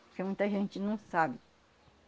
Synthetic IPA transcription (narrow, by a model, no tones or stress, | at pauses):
pokemũj̃t̪ɐʒẽnt͡ʃɪnɐ̃w̃sabɪ